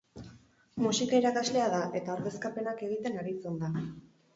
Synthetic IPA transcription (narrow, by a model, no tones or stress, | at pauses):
musikaiɾakazle̞aðaʔe̞t̪aoɾðe̞skape̞nake̞ɣ̞it̪e̞naɾit͡send̪a